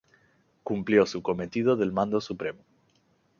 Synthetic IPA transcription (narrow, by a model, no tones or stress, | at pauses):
kumpljo̞suko̞me̞t̪ið̞o̞ðe̞lmãnd̪osupɾe̞mo